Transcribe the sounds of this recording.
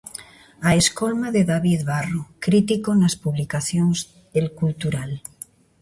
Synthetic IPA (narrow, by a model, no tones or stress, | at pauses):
aeskolmaðeðaβiðβarokɾit̪ikonaspuβlikaθjoŋz | ðelkult̪uɾal